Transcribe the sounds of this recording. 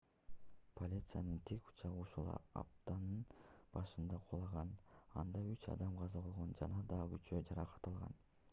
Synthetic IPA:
pʰo̞lʲit̪sɨjɑnɯnt̪ʰeku̥t͡ʃɑʁɯuʃulˠɑ̰ɑ̰p̚t̪ɑnɯnb̥ɑʃɯnd̪ɑqʰolˠɑʁɑnɑ̰nd̪ɑyt͡ʃɑ̰d̪ɑmqʰɑzɑbo̞lˠʁo̞nd͡ʒɑnɑd̪ɑɡyt͡ʃød͡ʒɑɾɑqʰɑ̥t̪ɑlˠʁɑ̰n

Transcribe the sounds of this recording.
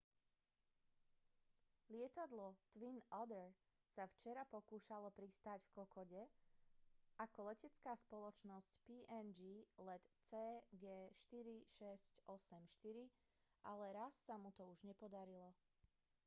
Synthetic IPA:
lɪɛt̪ad̪lɔt̪ʋinɔd̪ɛɾ | saft͡ʃɛɾapɔkuːʃalɔpɾist̪aɟfkɔkɔɟɛ | ʔakɔlɛcɛt͡skaːspɔlɔt͡ʃnɔscpiːʔɛnd͡ʒiːlɛt̪t͡sɛːɡɛːʃt̪iɾiʃɛscɔsɛmʃt̪iɾi | alɛɾasːamut̪ɔuʒɲɛpɔd̪aɾilɔ

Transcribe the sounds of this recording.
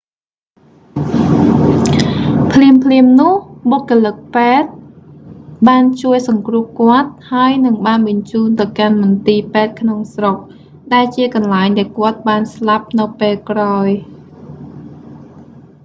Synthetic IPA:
pʰliəmpʰliəmnʊ̆əhɓokːolɨk̚peːt̪̚ | ɓaːnt͡ɕuəjsɑŋkrʊ̆əhkŏət̪̚haəjnɨŋɓaːnɓəɲt͡ɕuːnt̪ɨwkanmʊnt̪iːpɛːt̪̚kʰnoŋsrok̚ | ɗaɛlt͡ɕiəkɑnlaɛŋɗaɛlkŏət̪̚ɓaːnslap̚nɨwpeːlkraɔj

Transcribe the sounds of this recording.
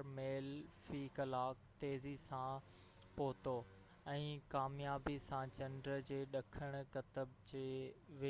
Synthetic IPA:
meːlfiːkɐlaːkt̪eːzisã | poːt̪o | ɛ̃ːkaːmjaːbisãt͡ɕɐ̃nɖɾəd͡ʑeːɗɐkʰəɽ̃̆kɐt̪əbd͡ʑeːʋɪ

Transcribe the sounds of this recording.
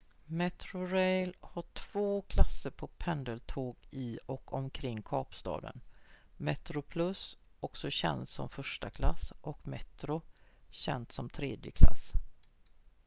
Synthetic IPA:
mɛt̪ɾʊɾɛjlhaʈʰv̥oːkʰlasːəɾpʰɔpʰɛnd̪əlt̪ʰoːɡɪɔkʰɔmkʰɾɪŋːkʰɑːpst̪ɑ̰ːd̪ə̰nmɛt̪ɾʊpʰlɵsɔksɔɕɛ̰nt̪sɔ̰mfœʂʈakʰlasʔɔkmɛt̪ɾʊɕɛ̰nt̪sɔmt̪ʰɾeːd̪jəkʰla̰sː

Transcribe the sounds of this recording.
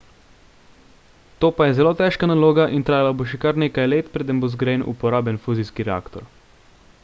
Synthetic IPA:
t̪oːpajɛzɛloːt̪ɛʃkanaloːɡaʔint̪ɾaːjalaboʃɛkaɾneːkajleːt̪pɾeːd̪əmbozɡɾenʔṵpɔɾaːbjɛnfuːziskiɾɛa̰ːkt̪ɔ̰ɾ

